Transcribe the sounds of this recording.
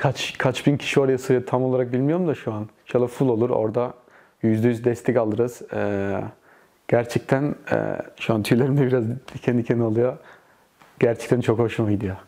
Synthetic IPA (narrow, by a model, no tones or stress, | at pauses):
kʰat͡ʃkʰat͡ʃbincʰi̥ʃio̞ɾajasɯɾɯt̪ʰamo̞lˠaɾak̚bilʲmijo̞ɾumd̪aʃuanʃalˠafulˠo̞lˠuɾo̞̰ɾd̪a | jyzd̪ɛjyzd̪ɛst̪ʰɛcalˠɯɾɯz̥ɛ | ɟ̥æɾt͡ʃʰɛc̚t̪ʰænɛ̰ʃuant̪ʰyjlʲeɾimd̪ʲɛbiɾazicʰɛnicʰeniolˠɯjo | ɟ̥æɾt͡ʃʰɛ̥k̚t̪ʰænt͡ʃʰo̞khoʃumaid̪ijo